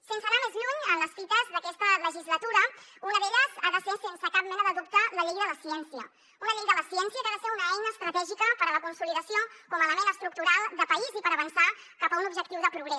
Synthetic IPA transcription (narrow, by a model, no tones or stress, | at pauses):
sensənamezʎuɲənləsfit̪əzðəkɛst̪ələʒizlət̪uɾəunəðeʎəzaðəsesensəkap̚mɛnəðəðup̚t̪ələʎejðələsiɛnsiə̰ | unəʎejðələsiɛnsiəkaðəseɾunəɛjnəːst̪ɾət̪ɛʒikəpəɾələkunsuliðəsiokɔmələmenəst̪ɾuk̚t̪uɾalˠd̪əpəizipəɾəβənsa | kapəunubʒək̚t̪iwðəpɾuɣɾɛs